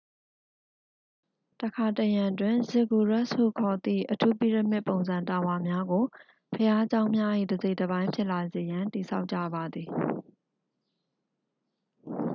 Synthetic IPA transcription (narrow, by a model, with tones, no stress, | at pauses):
təkʰa˨təjã˨twɪ̃˨zɪ˦˨ɡu˨ɹa˦˨ʔshṵ˦˨kʰɔ˨t̪ḭ˦˨ʔətʰu˦pi˦˨ɹə˨mɪ˦ʔpːõ˨ʊ̃nzã˨nta˨wa˨mja˦ɡo˨ | pʰəja˦t͡ɕã˦ʊ̃mja˦ʔḭ˦˨dəze˦ɪʔdə˨bã˦ɪ̃mpʰjɪ˦ʔla˨ze˨jã˨nti˨sʰa̰˦ʊʔt͡ɕä̰˦˨ba˨d̪ði˨